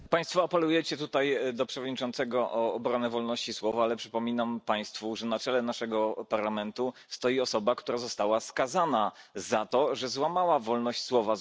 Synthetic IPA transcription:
paj̃st̪fɔapɛlujɛt͡ɕɛt̪ut̪ajd̪ɔpʂɛvɔd̪̚ɲit͡ʂɔnt̪sɛɡɔʔɔːbɾɔnɛvɔlnɔɕt͡ɕiswɔvaalɛpʂɘpɔmʲinampaj̃st̪fuʐɛnat͡ʂɛlɛnaʂɛɡɔpaɾlamɛnt̪ust̪ɔjiɔsɔbakt̪uɾazɔst̪awaskazanazat̪ɔʐɛzwamawavɔlnɔɕt͡ɕswɔva

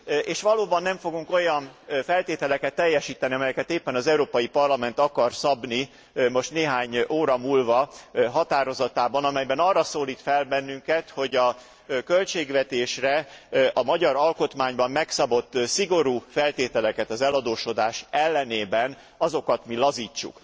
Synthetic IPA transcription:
eːʃʋɒloːbɒnːɛɱfo̞ɡuŋko̞jɒnfɛlt̪eːt̪ɛlɛkɛt̪ːɛjːɛʃiːt̪ɛniɒmɛjɛkɛt̪eːpːɛnɒzɛuɾoːpɒjipɒrlɒmɛnt̪ɒkɒrsɒbni | mo̞ʃt̪neːɦaːɲoːɾɒmuːlvɒɦɒt̪aːɾo̞zɒt̪aːbɒnɒmɛjbɛnɒrːɒsoːliːt̪fɛlbɛnːyŋkɛt̪ho̞ɟɒ | kø̞lt͡ʃeːɡʋɛt̪eːʃrɛʔɒmɒɟɒɾɒlko̞t̪maːɲbɒmːɛksɒbo̞t̪ːsiɡo̞ɾuːfɛlt̪eːt̪ɛlɛkɛt̪ɒzɛlɒd̪oːʃo̞d̪aːʃɛlːɛneːbɛn | ɒzo̞kɒt̪milɒziːt͡ʃːṵk

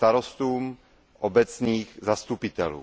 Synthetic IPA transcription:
t̪aɾost̪uːm | ʔobɛt͡sɲiːɣzast̪upɪt̪ɛlṵː

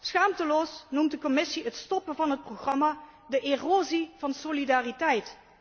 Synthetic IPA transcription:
sχaːmtəloːsnumtdəkɔmɪsiətstɔpəvɑnɦət̚proχrɑma | dəʔeroːziv̥ɑnsolidaːritɛjt

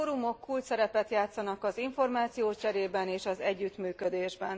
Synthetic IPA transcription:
oːɾumo̞kʰːuːlt͡ʃ̪sɛɾɛpɛt̪jaːt̪sɒnɒkɒziɱfo̞rmaːt̪sijoːt͡ʃɛɾeːbɛneːʃɒzɛɟːyt̪myːkød̪eːʒbɛn

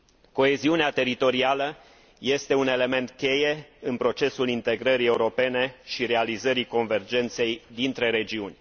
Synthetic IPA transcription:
ko̞e̞ziuneat̪e̞ɾit̪o̞ɾialə | je̞st̪e̞une̞le̞me̞nt̪kʲe̞je̞ɨnpɾo̞t͡ʃe̞sulint̪e̞ɡɾəɾie̞uɾo̞pe̞ne̞ʃiɾe̞alizəɾiko̞nve̞rd͡ʒe̞nt̪se̞jd̪int̪ɾe̞ɾe̞d͡ʒiunʲ

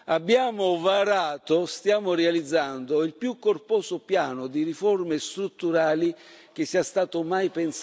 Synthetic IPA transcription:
abːjaːmʊvaɾaːt̪ost̪jaːmʊrealid̪zːand̪oilpjukːorpɔːsʊpjaːnʊd̪iɾifɔrmest̪ɾut̪ːuɾaːli | k̟ɪsːiast̪aːt̪ʊmajpɛns

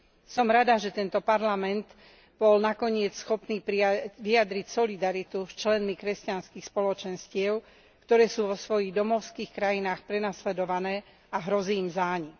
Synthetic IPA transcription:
sɔmɾad̪aʒɛt̪ɛnt̪ɔpaɾlamɛnt̪ | b̥ɔlnakɔɲɪɛt͡ssxɔpniːpiʋiad̪ɾicsɔlid̪aɾit̪ust͡ʃlɛnmikɾɛscanskixspɔlɔt͡ʃɛnscɪɛʊ | kt̪ɔɾɛːsuːʋɔsʋɔjiɣd̪ɔmɔʊskiːxkɾajinaːxpɾɛnaslɛd̪ɔʋanɛː | aɦɾɔziːmzaːɲi

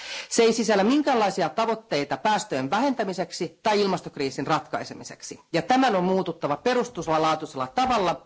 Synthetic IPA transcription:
seisisælːæmiŋkæːlːɑisiɑt̪ɑʋo̞t̪ːe̞jt̪ɑpæːst̪øenʋæɦe̞nt̪æmise̞ksit̪ɑijilmɑst̪okriːsinrɑt̪kɑise̞misḛksijɑt̪æmænommuːt̪ut̪ːɑʋɑpe̞ɾust̪uselːɑlɑːt̪uselːɑt̪ɑʋɑlːɑ

